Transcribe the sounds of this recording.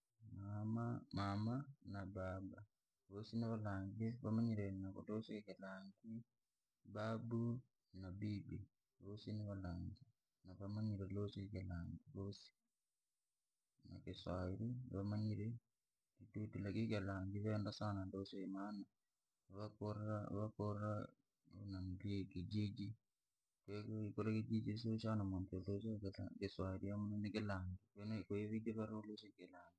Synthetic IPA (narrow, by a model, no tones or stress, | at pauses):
maamamanabaːba | βosinaβalaŋɡiβamaɲiɾenako̰tosokikalaŋɡi | babu | nabibi | βosinaβalaːŋɡi | naβamaɲiɾelosoikalaŋɡiβosi̥ | na̰keswaiɾinapamaɲiɾe | titutilakikelaŋɡiβɛndasanandoseimana | βakoɾaβakora | onamliekid͡ʒid͡ʒi | kikolekid͡ʒid͡ʒisoʃanamontolosakɪswaiɾiamunanikɪlaŋɡikenekoiβiɡiβaɾolosikɪlaŋɡi